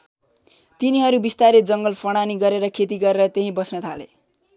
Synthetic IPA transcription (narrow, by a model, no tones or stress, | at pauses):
t̪iniɦʌɾubist̪aɾed͡zʌŋɡʌlpʰʌɽ̃aniɡʌɾeɾʌkʰet̪iɡʌɾeɾʌt̪eɦĩbʌsnʌt̪ʰa̰lḛ